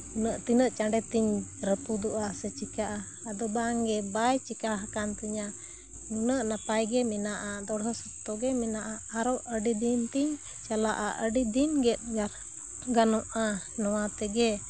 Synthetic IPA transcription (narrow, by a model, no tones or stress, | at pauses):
nəʔt̪inəʔt͡ʃaɳɖɛt̪iɲɾət̪ud̪ɔʔasɛt͡ʃikaʔaː | d̪ɔbaŋɡɛbajt͡ʃikaɦakant̪iɲa | nunəʔnapajɡɛmɛnaʔad̪ɔɽɦɔsɔt̪ːɔɡɛmɛnaʔaːɾɔʔəɖid̪int̪iɲ | t͡ʃalaʔaʔəɖid̪inɡɛt̪̚ɡaɾ | ɡanɔʔa | nɔwat̪ɛɡɛ